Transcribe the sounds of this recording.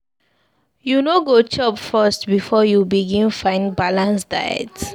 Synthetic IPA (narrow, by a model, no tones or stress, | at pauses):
junoɡot͡ʃɔpfastbifɔjubiɡĩnfãɪ̃ndbalãnsdajɛ̰ts